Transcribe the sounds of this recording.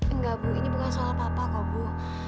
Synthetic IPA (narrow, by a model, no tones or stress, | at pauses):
ŋɡabuinibukansɔlapapakɔbu